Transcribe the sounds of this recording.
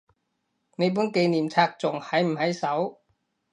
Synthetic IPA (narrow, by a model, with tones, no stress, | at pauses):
na˧˩bʰɯ˧˥˨ŋkeː˧niː˨˩mt͡ɕʰa˧˩k̚t͡ɕo˨˩ŋha˨˦˥jm˨˩ha˧˥jsa˨˩˦w